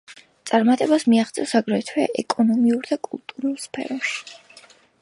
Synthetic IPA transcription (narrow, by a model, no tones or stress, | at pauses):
t̪sʼaɾmat̪ʼɛbasmiaχt̪zɛɔsaɡɾɛt̪ʰwɛɛ̰kʼɔnɔmiuɾd̪akʼṵlˠt̪ʼuɾulˠspʰɛ̰ɾɔʃi̥